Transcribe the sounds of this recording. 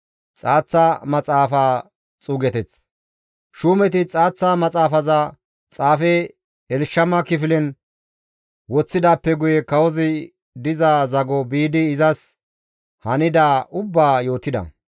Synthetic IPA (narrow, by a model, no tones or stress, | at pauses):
t͡sʼaːt͡sːamɐt͡sʼaːfaː | t͡sʼuːɡɛt̪ɛt͡s | ʃuːmɛt̪̬ɪt͡sʼaːt͡sːamɐt͡sʼaːfɐzɐ | t͡sʼaːfɛ | ɛlʃːɐmɐkɪfɪlɛn | wɔt͡sːɪd̪aːpːɛɡʊjɛkɐwɔzɪ | d̪ɪzazɐɡɔbiːd̪ɪːzɐs | hɐnɪd̪aːʔʊbːaːjo̞ːt̪ːɪd̪ɐ̰